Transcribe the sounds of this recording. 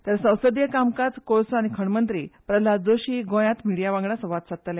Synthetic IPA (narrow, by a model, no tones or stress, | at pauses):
t̪əɾsə̃w̃səd̪jəkamkat͡s̪koɭsaɽ̃ikʰəɳmənt̪ɾḭːpɾəlad͡zoɕiːɡõjãt̪miɽijaʋãŋɡɳasəʋat̪sat̪əle